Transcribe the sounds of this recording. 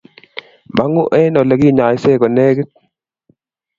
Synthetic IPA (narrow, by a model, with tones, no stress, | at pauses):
ma˨˦ŋʊ˦ʔɛ˦nɔ˨lɛ˨ki˦˨ɲa˨ɪ˦sɛ˦˨kɔ˨nɛ˦ke˦t̚